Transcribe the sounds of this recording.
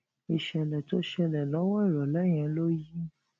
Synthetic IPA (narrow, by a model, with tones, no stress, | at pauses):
i˨ʃɛ˧lɛ˨to˦ʃɛ˧lɛ˨lɔ˨˦wɔ˦i˦˨ɾɔ˨lɛ˦j̃ɛ̃˨˧˦lo˦ji˦